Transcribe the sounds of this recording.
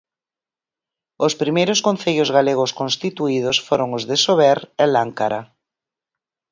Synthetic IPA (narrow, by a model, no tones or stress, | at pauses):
ospɾimejɾoskõn̟θeʎozɣaleɣ̞oskõnst̪it̪uið̞osfoɾoŋozðesoβɛɾɛlaŋkaɾa